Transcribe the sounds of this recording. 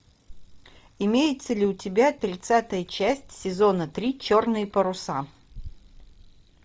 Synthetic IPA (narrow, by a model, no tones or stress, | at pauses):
ɪmʲejɪt̪səlʲɪʊtʲɪbʲat̪ɾʲɪt̪sat̪əjət͡ɕæsʲtʲsʲɪzo̞nət̪ɾʲit͡ɕo̞rnɨjəpəɾʊsa